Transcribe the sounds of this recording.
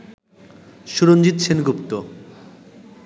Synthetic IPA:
ʃuɾond͡ʑit̪t͡ɕʰenɡupt̪o

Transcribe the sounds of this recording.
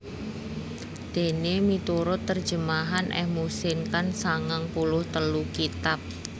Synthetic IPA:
d̪̥e̤nemit̪uɾʊt̪ːər̥ʒ̥ə̤maɦanʔɛ̰hmusɪnkansaŋaŋpulʊht̪əlukit̪ap̚

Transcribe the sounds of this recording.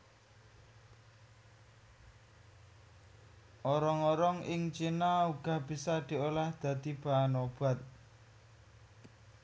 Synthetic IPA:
ʔɔɾɔŋɔɾɔŋɪŋt͡ʃinauɡ̥a̤hb̥i̤sad̪̥i̤olahd̪̥a̤d̪ib̥aanob̥a̤t̪̚

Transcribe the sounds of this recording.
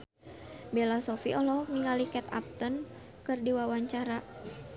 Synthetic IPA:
belasɔfiʔɔlɔniŋalikɛt̪a̰p̚t̪ən | kɨrdiwawaɲt͡ʃaɾa

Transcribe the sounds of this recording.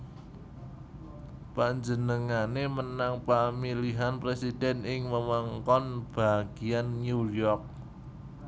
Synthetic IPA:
paɲd͡ʒənəŋanemənaŋpamiliɦanpɾesid̥ɛnɪŋməməŋkɔnb̥a̤ɡ̥i̤anːujɔrk̚

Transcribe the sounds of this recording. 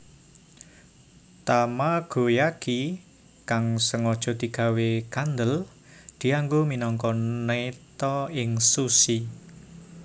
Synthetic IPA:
t̪amaɡ̥o̤jaki | kaŋsəŋɔd̥ʒ̥ɔ̤d̪̥i̤ɡ̥ä̤wekand̪əl | d̪̥i̤aŋɡominɔŋkɔnet̪ɔɪŋsusi

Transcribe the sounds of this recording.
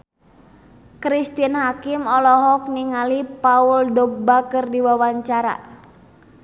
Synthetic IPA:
kɾist̪inhakɪmɔlɔɦɔk̚niŋalipaʊldɔɡ̚bakərdiwawaɲt͡ʃaɾa̰

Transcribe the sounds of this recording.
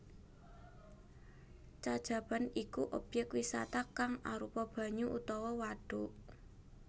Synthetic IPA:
t͡ʃad̥ʒ̥ä̤banikuʔob̥jɛk̚t̪wisa̰t̪akaŋaɾupɔb̥ä̤ɲuʔut̪ɔwɔwaɖ̥uʔ

